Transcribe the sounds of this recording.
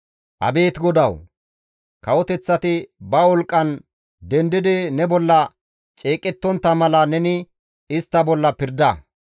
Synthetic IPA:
ʔɐ̰be̞ːt̪ɡɔd̪ɐw | kɐwɔt̪ɛt͡sːɐt̪ɪbɐwɔlkʼːɐn | d̪ɛnd̪ɪd̪ɪnɛbɔlːɐ | t͡ʃʼeːkʼːɛt̪ːɔnt̪ːɐmɐlɐnɛnɪ | ɪst̪ːɐbɔlːɐpɪɾd̪ɐ

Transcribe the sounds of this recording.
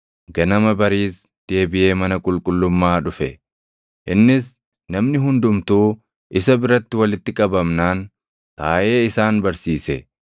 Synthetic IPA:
ɡɐnɐmɐbɐɾiːs | d̪̥e̞ːbɪʔe̞ːmɐnɐkʼʊlkʼʊlːʊmːaːᶑʊfɛ | ʔɪnːɪs | nɐmnɪɦʊnd̪ʊmt̪uː | ʔɪsɐbɪɾɐt̪ːɪwɐlɪt̪ːɪkʼɐbɐmnaːn | t̪aːʔe̞ːɪsaːnbɐɾsiːsɛ

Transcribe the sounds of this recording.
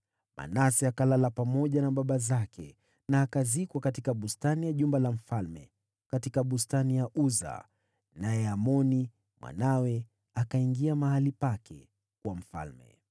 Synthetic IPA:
mʔa̰nasiakalalapamɔʄanaɓaɓazakɛ̰ | naːkazikwakatikaɓustanijaʄumbalam̩falmɛ̰ | katikaɓustanijaʔuza̰ | najɛamɔni | mwa̰nawɛ | akaiŋɡiamahalipakʰɛ̰ | kwam̩fa̰lmɛ̰

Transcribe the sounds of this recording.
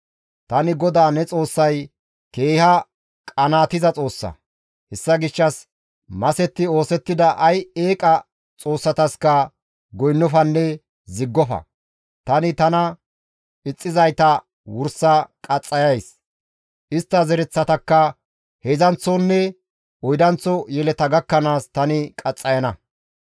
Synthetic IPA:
t̪ɐnɪɡɔd̪aːnɛt͡sʼo̞ːsːɐj | ke̞ːhɐ | kʼɐnaːt̪ɪzɐt͡sʼo̞ːsːɐ̰ | hɛsːɐɡɪʃːɐs | mɐsɛt̪ːɪo̞ːsɛt̪ːɪd̪ɐʔɐjeːkʼɐ | t͡sʼo̞ːsːɐt̪ɐskɐ | ɡɔjnːɔfɐnːɛ | zɪɡːɔfɐ̰ | t̪ɐnɪt̪ɐnɐ | ɪt͡sʼːɪzɐjt̪ɐ | wʊɾsɐkʼɐt͡sʼːɐjɐjs | ʔɪst̪ːɐzɛɾɛt͡sːɐt̪ɐkːɐ | hezɐnt͡sɔnːɛ | ɔjd̪ɐnt͡sːɔjɛlɛt̪ɐɡɐkːɐnaːst̪ɐnɪkʼɐt͡sʼːɐjɐnɐ

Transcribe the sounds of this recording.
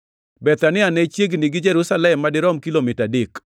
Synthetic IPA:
bɛt̪anɪanɛt͡ʃjeɡniɡɪd͡ʒɛɾusalɛmːadɪɾɔmkilomɪtadɪk

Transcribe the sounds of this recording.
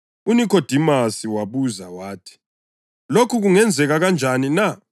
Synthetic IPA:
unikʰɔd̥ʱimasiwaβuzawaːtʰi̥ | lokʰuɣuŋɛnd͡zʱɛɣaɣand͡ʒʱanina

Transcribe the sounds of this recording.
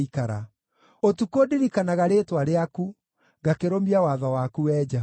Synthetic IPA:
ikaɾa | otukodiɾikanaɣaɾetwaɾeaku | ɡakeɾomiawaðɔwakuwɛd͡ʒa

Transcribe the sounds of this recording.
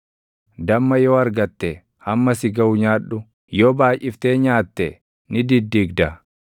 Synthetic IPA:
d̪ɐmːɐjoːɐɾɡɐt̪ːɛ | hɐmːɐsɪɡɐʊɲaːᶑːʊ | joːbaːjʔɪft̪e̞ːɲaːt̪ːɛ | nɪd̪ɪd̪ːiːɡd̪ɐ

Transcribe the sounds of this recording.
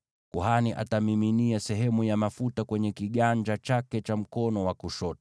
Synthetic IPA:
kuɦaniʔa̰tamiminiasɛɦɛmujamafutakwɛɲɛkiɠaɲd͡ʒat͡ʃakɛt͡ʃam̩kɔnɔwakuʃɔt

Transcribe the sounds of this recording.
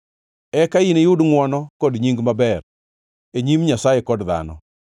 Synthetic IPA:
ɛkainejʊdŋwɔnɔkɔdɲiŋɡmabɛɾ | eɲimɲasajekɔdða̰nɔ̰

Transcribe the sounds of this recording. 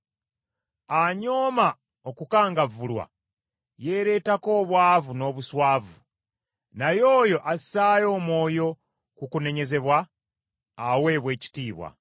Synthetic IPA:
aɲo̞ːma | okukaːŋɡavulwa̰ | jeːɾe̞ːtako̞ːβwaːvuno̞ːβuswaːvu | najo̞ːjo̞ʔasaːjo̞ːmwo̞ːjo̞ | kukune̞ɲe̞ze̞βwaː | we̞ːβwe̞ːci̥tiːβwa̰

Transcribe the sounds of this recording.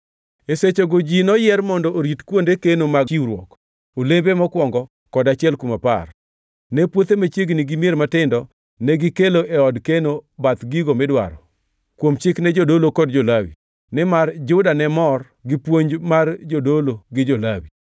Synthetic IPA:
eset͡ʃoɡod͡ʒinɔjɛrmɔndɔʔoɾitkwondekenomaiɾwɔ̰k | olembemɔkwɔŋɡɔ | kɔdat͡ʃɪɛlkumapa̰r | nɛpwot̪emat͡ʃjeɡniɡɪmieɾmatɪndɔ | nɛɡɪkeloʔɛɔdkenobat̪ɡiɡomɪdwa̰ɾɔ | kwomt͡ʃɪknɛd͡ʒodolokɔdd͡ʒolawḭ | nɛmard͡ʒʊdanɛmɔr | ɡɪpwoɲd͡ʒmard͡ʒodoloɡɪd͡ʒolawi

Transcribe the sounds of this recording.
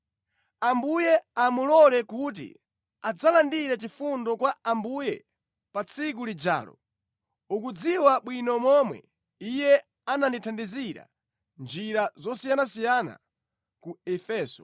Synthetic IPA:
ambujɛamulɔlɛkut̬ḭ | ad͡zalandiɾat͡ʃifundɔkwaambujɛ̰ | pat͡sʰik̬ulid͡ʒa̰ːlɔ̰ | ukud͡ziwaɓwinɔmɔmwɛ̰ | ijɛ | ananditʰandiziɾa̰ | nd͡ʒiɾazɔsijanasijana̰ | kuɛfɛːsɔ̥

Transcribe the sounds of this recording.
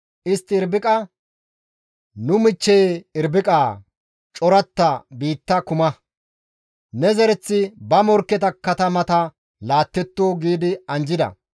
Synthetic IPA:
ʔɪst̪ːɪɪɾbɪkʼɐ | nʊmɪt͡ʃːɛjɪɾbɪkʼaː | t͡ʃʼɔɾɐt̪ːɐbiːt̪ːɐkʊmɐ | nɛzɛɾɛt͡sːɪbɐmɔɾkːɛt̪ɐkːɐt̪ɐmɐt̪ɐ | laːt̪ːɛt̪ːoːɡiːd̪ɪɐnd͡ʒɪd̪ɐ̰

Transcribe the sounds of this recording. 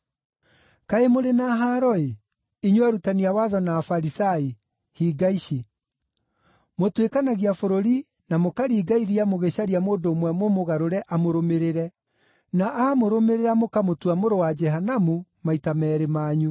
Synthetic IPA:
kaemoɾenaɦaːɾɔe | iɲuaɾutaniawaðɔnaːfaɾisai | hiːɡaiɕi | motwekanaɣiafoɾoɾi | namokaɾiːɡaiɾiamoɣeɕaɾiamoːndoːmwɛmomoɣaɾoɾɛʔamoɾomeɾeɾɛ | naʔamoɾomeɾeɾamokamotwamoɾowad͡ʒɛɦanamumaitamɛːɾemaːɲu

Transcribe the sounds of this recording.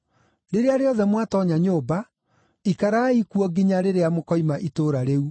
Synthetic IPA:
ɾeɾeaɾeɔðɛmwatɔɲaɲoːba | ikaɾaikuɔɡiɲaɾeɾeamokɔimaʔitoːɾaɾeu

